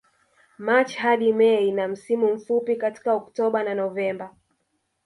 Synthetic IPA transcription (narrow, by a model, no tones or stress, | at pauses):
mat͡ʃhaɗimɛinam̩simum̩fupikati̥kaɔktɔɓananɔvɛmba